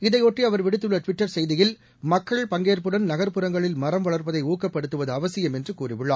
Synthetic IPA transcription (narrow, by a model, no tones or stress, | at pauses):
ɪðɐɪoːʈriɐʋɐɾʋɪɽɯt̪ːɯɭːɐʈʋɪʈːɐɾsɛjðɪjɪl | mɐkːɐɭpɐŋɡeːɾpɯɽɐnnɐɣɐɾpɯɾɐŋɡɐɭɪlmɐrɐmʋɐɭɐɾpɐðɐɪuːkːɐpːɐɽɯt̪ːɯʋɐðɯɐʋɐsɪjɐmɛndrɯkuːrɪʋɯɭːaː